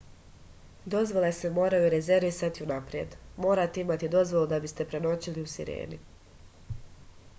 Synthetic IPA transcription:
d̪o̞zʋo̞lesemo̞ːɾajuɾe̞ze̞ɾʋisat̪iunapɾije̞d̪mo̞ːɾat̪eimat̪id̪o̞zʋo̞lˠud̪abist̪e̞pɾe̞no̞t͡ɕiliusḭɾḛːni

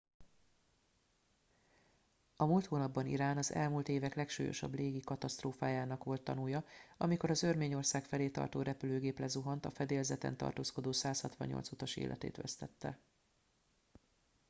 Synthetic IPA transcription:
ɒmuːlt̪hoːnɒbːɒnḭɾaːnɒzɛ̰lmult̪eːvɛklɛkʃṵːjo̞̰ʃɒ̰bleːɡikɒt̪ɒst̪roːfaːjaːnɒkʋo̞lt̪ːɒnujɒɒmiko̞ɾɒzørmeːɲo̞rsaːkfɛleːt̪ɒ̰rt̪oːɾʔɛpyløːɡeːplɛzuɦɒnt̪ɒfɛd̪eːlzɛt̪ɛ̰nt̪ɒ̰rt̪oːsko̞d̪oːsaːshɒt̪ʋɒ̰ɲɲo̰lt̪sut̪ɒʃḛːlʔɛ̰t̪ḛːt̪ʋɛ̰st̪ɛt̪ːɛ̰

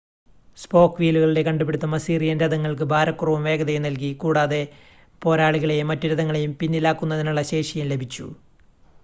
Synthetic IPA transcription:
spo̞ːkːʋiːluɣɐɭiɽe̞kɐɳɖupːeɽut̪ːɐmɐsiːrijɐnɾɐðɐŋːɐɭk̬ɨbʱaːɾɐkːurɐʋɐmʋe̞ːɡɐðɐjumnɐlkikuːɽaːðe̞ | po̞ːɾaːɭiɣɐɭejumːɐtːuɾuðɐŋːɐɭejumpinːilaːkːunːɐðinuɭːɐɕe̞ːʂɐjɐmle̞bʱit͡ɕːṵ

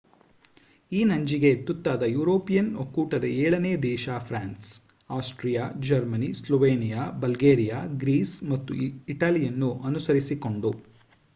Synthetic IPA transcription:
iːnɐɲd͡ʒiɡe̞t̪ut̪ːaːd̪ɐjuːɾoːpijɐnokːuːʈɐd̪ɐɛːɭɐneːd̪ɛːʃaːpʰɾaːns | aːsʈɾijaːd͡ʒɐɾmɐnislɔʋeːnijaːbɐlɡeːɾijaːɡɾiːsmɐt̪ːṵiʈaːlijɐnːuʔɐnusɐɾisiko̞ɳɖu

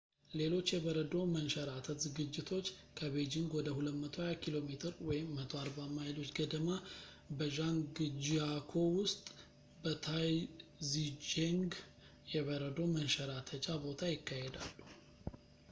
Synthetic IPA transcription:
le̞lo̞t͡ʃːjɛβəɾəd̪o̞mənʃəɾat̪ʰət̪zɨɡɨd͡ʒːɪt̪ʰo̞t͡ʃːkʰəβed͡ʒiŋɡwɔd̪əhulət̪mət̪ʰohajakʰilo̞met̪ʰɨɾwɔjɪmːət̪ʰo̞aɾbamajlo̞t͡ʃːɡəd̪əma | bəʒaŋɡɨd͡ʒiakʰo̞wʊst̪ʼ | bət̪ʰajzid͡ʒeŋɡ | jɛβəɾəd̪o̞mənʃəɾat̪ʰət͡ʃʼabo̞t̪ʰajɪkːahed̪a̰lːu

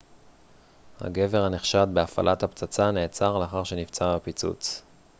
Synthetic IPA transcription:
ha̰ɡe̞ve̞ʁhaneχʃat̪beafa̰lʔat̪hapt͡sat͡sane̞ːt͡saʁleaχaʁʃe̞nift͡sabapit͡sṵt͡s

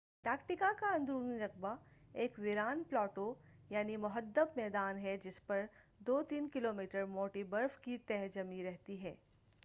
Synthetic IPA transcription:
ʈaːkʈɪkakaɐ̃nd̪ɾuːniɾɐk̚baeːkʋɪɾaːnplɔːʈojaːnimʊɦəd̪ːəbmɛːd̪aːnɦɛd͡ʒɪspɐɾd̪oːt̪iːnkɪloːmiːʈəɾmoːʈibɐɾfkit̪ɛɦd͡ʒɐmiɾɛɦt̪iɦɛː

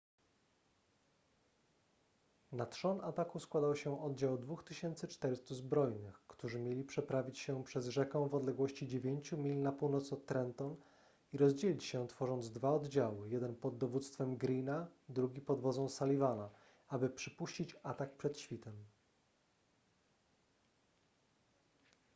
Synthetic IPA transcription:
nat̪ʂɔnat̪akuskwad̪awɕɛʔɔd̪d͡ʑawd̪vuxt̪ɘɕɛnt̪sɘt͡ʂt̪ɛɾɘst̪uzbɾɔjnɘxkt̪uʐɘmʲjelʲipʂɛpɾavʲit͡ɕɕɛpʂɛzʐɛkɛ̃w̃vɔd̪lɛɡwɔɕt͡ɕid͡ʑevʲjeɲt͡ɕumʲilnapuwnɔt̪sɔtt̪ːɾɛnt̪ɔn | iɾɔzd͡ʑelʲit͡ɕɕɛt̪fɔʐɔnd̪zd̪vaɔd̪d͡ʑawɘjɛd̪ɛnpɔd̪ːɔvut̪st̪fɛmɡɾʲinad̪ɾuɡʲipɔd̪vɔd̪zɔ̃w̃salʲivana | abɘpʂɘpuɕt͡ɕit͡ɕat̪ak̚pʂɛt̪ɕfʲit̪ɛm

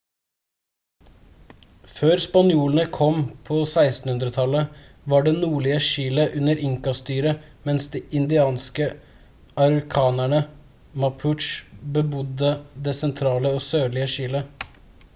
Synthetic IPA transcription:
føːɾspɑnjuːlənəkʰɔmpʰosæɪst̪n̩hʉnd̪ɾət̪ʰɑlə | ʋɑɖɛnuːɭɪəʃiːləʔʉnːəɾʔɪŋkɑst̪yːɾə | mɛnsd̪iːʔɪnd̪ɪɑːnskə | ɑmɾɪkʰɑːnæɳə | mɑpʰʉʈʃbəbʊd̪əd̪esɛnt̪ʰɾɑːləosøːɭɪəʃiːlə

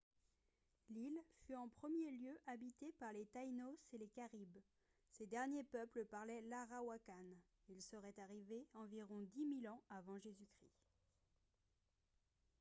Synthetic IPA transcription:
lilfyɑ̃pχəmjeljøʔabit̪epaʁlet̪ajnoselekaʁib | sed̪ɛʁnjepœpləpaʁlɛlaʁawakan | ilsəʁɛt̪aʁiveɑ̃viʁɔ̃d̪imilɑ̃avɑ̃ʒezykχi

